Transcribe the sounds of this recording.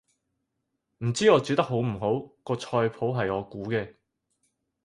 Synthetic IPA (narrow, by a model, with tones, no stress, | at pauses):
m̩˨˩t͡siː˥ɔː˨˧t͡syː˨˧t̪ɐ˥k̚ɦo˨˥wm̩˨˩ɦo˨˥wkɔː˧t͡ʃʰɔː˧jpʰo˨˥wɦɐ˨jɔː˨˧kuː˨˥kɛː˧